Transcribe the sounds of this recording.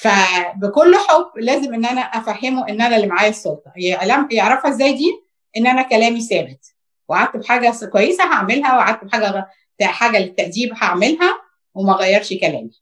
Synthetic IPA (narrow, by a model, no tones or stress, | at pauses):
fæbekolːħobːlæːzemʔenːʔænæʔæfæhːemoʔenːʔænælemʕaːjæsˤːolt̪ˤɑjlæmjeʕɾˤɑfhæʔezːæːjd̪iː | ʔenːʔænækælæːmisæːbet̪̚ | weaʕad̪̚t̪ebħaːɡækwæjːesæɦaʕmelɦæweaʕad̪̚t̪ebħaːɡæ | t̪æħaːɡælet̪ːæʔd̪iːbhaʕmelɦæ | wemæɣæjːɑɾˤʃkælæ̰ːmi